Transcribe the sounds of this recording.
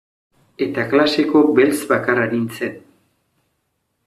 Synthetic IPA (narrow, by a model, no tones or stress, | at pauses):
e̞t̪aklase̞ko̞be̞lsβakaraɾinsen